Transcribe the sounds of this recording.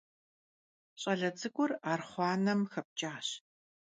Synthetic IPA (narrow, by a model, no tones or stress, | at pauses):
ɕʼɐɮɐd͡zɨɡʷʊraːrχʷɑːnɐmxɐp̚t͡ʃʼaːɕ